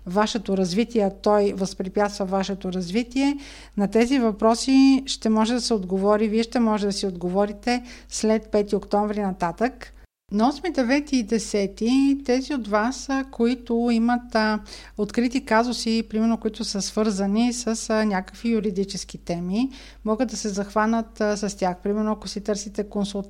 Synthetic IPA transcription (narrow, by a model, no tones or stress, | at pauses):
vaʃɛt̪oɾɐzvit̪iɛɐt̪ɔjvəspɾipʲjat̪st̪vəvaʃɛt̪oɾɐzvit̪iɛ | nɐt̪ɛzivɐpɾɔsiʃt̪ɛmɔʒɛd̪ɐsɛod̪ɡovɔɾiviɛʃt̪ɛmɔʒɛd̪ɐsiod̪ɡovɔɾit̪ɛslɛt̪̚pɛt̪iokt̪ɔɱvɾinɐt̪at̪ək | nɐɔsmid̪ɛvɛt̪iːd̪ɛsɛt̪it̪ɛziot̪vaskoit̪ʊimət̪ | ot̪kɾit̪ikazʊsipɾimɛɾnokoit̪ʊsəsv̥ɤɾzənisəsnʲakə̥kvijʊɾid̪it͡ʃɛsk̟it̪ɛmi | mɔɡəd̪ːɐsɛzɐxvanət̪sɐst̪ʲjaxpɾimɛɾnoɐkosit̪ɤɾsit̪ɛkonsulˠt̪